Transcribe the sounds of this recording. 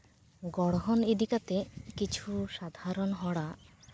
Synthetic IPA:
ɡɔɽ̃ɦoniɖikat̪ekit͡ɕʰuʃad̪ʱaɾonɦɔɽa

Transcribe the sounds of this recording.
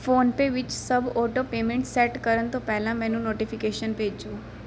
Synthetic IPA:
foːnpeʋɪt͡ʃsəboːʈopeːmẽɳʈseːʈkəɾənt̪opɛɦlãmɛ̃ːnũnoːʈifɪkeːʃənpeːd͡ʒd͡ʒoː

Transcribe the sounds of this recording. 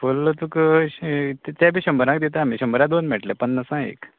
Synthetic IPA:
fult̪uk | t̪t̪jabʱiːɕəmbəɾãkd̪it̪aamiɕəmbəɾãd̪onmɛʈlepənːəsãḛk

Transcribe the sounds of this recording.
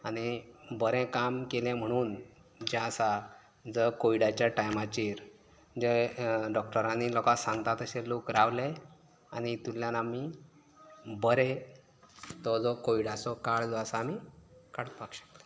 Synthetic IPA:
aɽ̃ibəɾɛ̃kamkelɛ̃m̤əɽ̃uːn | d͡ʑãəsa | d͡zəkoiɽat͡ɕjaʈajmat͡ɕiːɾ | d͡ʑɛɖɔkʈəɾãnilɔkasãŋɡt̪at̪əɕelokɾaʋlɛ | añit̪ulːjanami | bəɾɛ | t̪ɔd͡zɔkoiɽat͡sɔkaɭd͡zɔəsaːmikaɽt̪pakɕə̥kt̪ḁ

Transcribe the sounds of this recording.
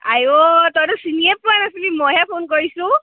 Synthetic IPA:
a̰jot̪ɔjdusiniep̚puanasilimɔɦɛpʰonkɔɹisũ

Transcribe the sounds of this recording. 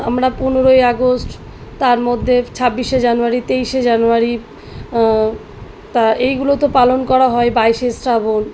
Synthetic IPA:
a̰mɾapunoɾojaɡosʈ | t̪aɾmod̪ʱːet͡ɕʰabːiʃed͡ʑanuaɾit̪ejʃed͡ʑanuaɾi | t̪aejɡulot̪opalonkɔɾaɦɔebajʃesɾabon

